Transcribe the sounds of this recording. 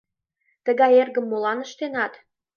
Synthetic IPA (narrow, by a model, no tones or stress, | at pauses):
t̪əɣɑjerɣə̆mːolɑnəʃt̪enɑt̪